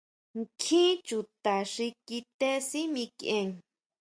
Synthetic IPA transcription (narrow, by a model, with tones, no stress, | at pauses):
ŋkʰĩ˦t͡ʃu˨t̪a˨ʂi˧ki˧t̪e˦si˦mĩ˧kẽ˧ŋ